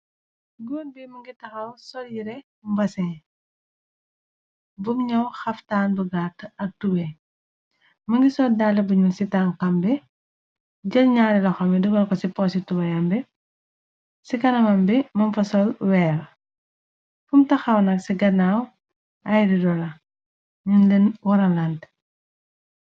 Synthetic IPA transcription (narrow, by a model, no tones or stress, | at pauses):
ɡɔːnbimɐŋɡitɐxɐwsɔljiɾɛ | mbɐsɛ | bumɲɐwxɐftaːnbuɡatɐk̚tubɛ | mɐŋɡisɔldalːɐbuɲulsitaŋkɐmbɛ | ɟɐlɲaːɾilɐxɔmɛduɡɐlkɔsipɔsitubɐjɐmbɛ | sikɐnɐmɐmbɛmɐmfɐsɔlwɛːɾ | fumtɐxɐwnɐksiɡɐnaw | ɐjdidɔlɐ | ɲunlɛnwɔɾɐlɐnt